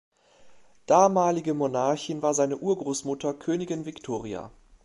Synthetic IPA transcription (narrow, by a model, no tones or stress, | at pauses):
d̥aːmaːlɪɡəmonaɐçɪnvaːɐzaɪnəʔuːɐɡʁoːsmʊtɐkʰøːnɪɡɪnvɪktʰoːʁia̰